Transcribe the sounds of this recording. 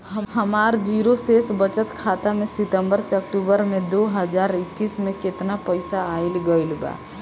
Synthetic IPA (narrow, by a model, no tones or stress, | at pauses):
ɦəɦəmaɾd͡ʒiɾosesbət͡ʃət̪kʰat̪amesɪt̪əmbəɾseək̚ʈubəɾmed̪oɦəd͡ʒaɾɪkːismeket̪napəɪsaːɪlɡəɪlba̰